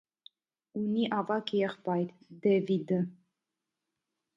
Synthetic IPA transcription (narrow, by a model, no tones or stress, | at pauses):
uniʔɑvɑkʰjɛχpɑjɾ | d̪ɛvid̪ə